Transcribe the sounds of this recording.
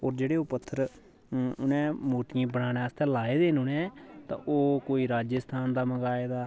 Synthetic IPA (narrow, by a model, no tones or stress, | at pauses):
oːɾd͡ʒeːɽeːʊpət̪ʰːəɾ | ʊnɛ̃ːmoːʈɪãːbəɽaːnɛ̃ːəst̪ɛ̃ːlaːeːd̪eːnũːnɛ̃ːt̪ã̰ːʔoːkoːiːɾaːd͡ʒəst̪ʰaːnd̪aːməɡaːeːd̪aː